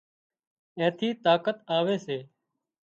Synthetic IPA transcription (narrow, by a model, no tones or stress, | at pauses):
ẽːt̪ʰiːt̪aːkət̪aːʋeːseː